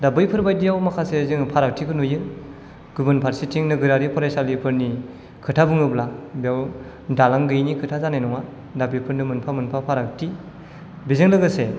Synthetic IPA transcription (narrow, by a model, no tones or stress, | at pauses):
dabɯjpʰɯɾbajdijawmakʰasezɯŋpʰaɾak̚tʰikʰɯnujɯ | ɡ̥ubɯnpʰaɾsitʰiŋnɯɡɯɾaɾipʰɔɾajsalipʰɯɾni | kʰɯtʰabɯŋɯblabijaw | dalaŋɡɯjnikʰɯtʰazanajnɔŋa | dabɯjpʰɯɾnɯmɯnpʰamɯnpʰapʰaɾak̚tʰi | bizɯŋlɯɡɯse